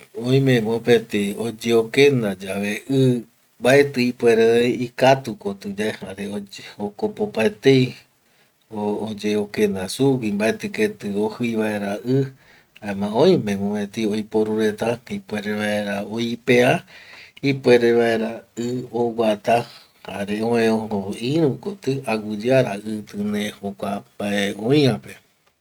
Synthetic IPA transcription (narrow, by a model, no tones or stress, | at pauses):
õj̃mẽmopet̪eod͡ʒeokẽnd̪ad͡ʒaʋeʔɨ | mbaet̪ɨipʷeɾeikat̪ukot̪ɨd͡ʒaehaɾeookopopaet̪ej | oːd͡ʒeokẽ̞nd̪asuwimbaet̪ɨket̪ɨohɨjβaeɾaʔɨ | aemãõj̃mẽmõẽt̪iojpoɾuɾet̪aipʷeɾeʋaeɾaoipeaipweɾeβaeɾaɨowat̪a | haɾeõẽõoiɾũkot̪ɨaɡɨd͡ʒaɾaʔɨt̪ɨnehokʷambaeõj̃ãpe